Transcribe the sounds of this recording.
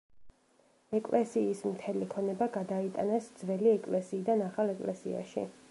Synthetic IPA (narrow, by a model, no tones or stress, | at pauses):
ɛkʼlɛsiːsmt̪ʰɛlikʰɔnɛbaɡad̪ait̪ʼanɛsd̪zvɛliɛkʼlɛsiːd̪anaχalɛkʼlɛsḭa̰ʃḭ